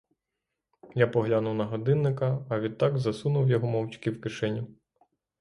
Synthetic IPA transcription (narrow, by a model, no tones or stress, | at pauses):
japɔɦlʲanuwnɐɦɔd̪ɪnːɪkɐːʋʲid̪̚t̪ːɑɡzɐsunʊwjɔɦɔmɔwt͡ʃkɪwkɪʃɛnʲʊ